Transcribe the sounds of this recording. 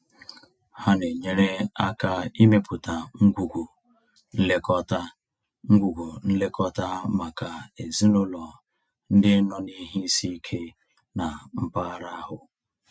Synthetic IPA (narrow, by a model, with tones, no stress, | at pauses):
ha˦ne˨ɲe˦ɾe˦a˦ka˦˨i˦me˦pʊ˨ta˨ŋ̩˦ɡʷu˨ɡu˨ | n̩˦le˦kɔ˦ta˦ | ŋ̩˦ɡʷu˨ɡu˨n̩˦le˦kɔ˦ta˦ma˨ka˨e˨zi˦nʊ˦lɔ˨ | n̩˦dɪ˦nɔ˨ni˦ɦi˦si˦kʰe˦ | na˨m̩˦pa˦ɾa˦a˦ɦʊ˨